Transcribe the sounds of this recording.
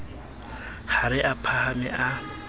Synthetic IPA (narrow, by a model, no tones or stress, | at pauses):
haɾɪʔapʰahamɪʔa